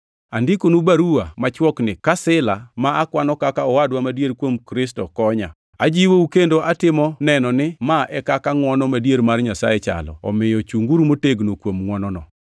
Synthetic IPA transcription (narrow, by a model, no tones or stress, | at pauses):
andikonubaɾuwamat͡ʃwɔknɪkasɪlamaːkwanɔkakaɔwadwamadjeɾkwomkɾɪstɔkɔɲa̰ | ad͡ʒiwoukendoʔatɪmɔnɛnɔnɪmaɛkakaŋwɔnɔmadjeɾmarɲasa̰jɛt͡ʃa̰lɔ̰ɔ̰mɪjɔt͡ʃuŋɡuɾmoteɡnokwomŋwɔnɔnɔ